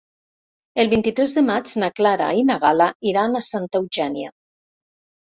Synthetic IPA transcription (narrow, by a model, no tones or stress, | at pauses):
elˠβint̪it̪ɾɛzðəmad͡ʒnaklaɾa̰inaɣalaiɾanasant̪awʒɛnja